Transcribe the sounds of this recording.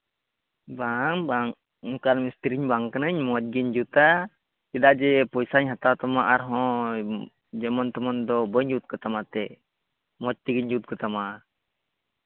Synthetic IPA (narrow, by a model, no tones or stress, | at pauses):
baŋbaŋ | kaɾmist̪ɾiɲbaŋkənəɲmɔt̚ɡiɲd͡ʒut̪a | kɛd̪aʔd͡ʒɛpɔjsaɲɦat̪awt̪amaʔaɾɦɔ̃ | d͡ʒɛmɔnt̪ɔmɔnd̪ɔbəɲd͡ʒut̪̚kɔt̪amat̪ɛ | mɔc̚t̪iɡiɲd͡ʒut̪̚kɔt̪ama